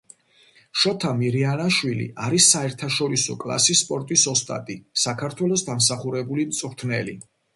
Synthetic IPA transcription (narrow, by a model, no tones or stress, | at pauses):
ʃɔt̪ʰamiɾianaʃwilḭʔaɾisːaɛɾt̪ʰaʃɔɾisɔ̰kʼlˠa̰sispʼɔɾt̪ʼisɔst̪ʼa̰t̪ʼisakʰaɾt̪ʰwɛlˠɔsd̪amsaχuɾɛbulimt̪sʼɾt̪ʰnɛli